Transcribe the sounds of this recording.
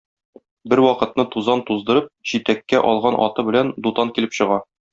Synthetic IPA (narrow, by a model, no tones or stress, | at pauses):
bɘɾwɒqɤ̆t̪̚nɤt̪uzɑnt̪uzd̪ɤ̆ɾɤp̚ʑit̪ækːæʔɒlˠʁɑnʔɒ̰t̪ɤbɘ̆lænd̪ut̪ɑŋkilɘpɕɤ̆ʁɑ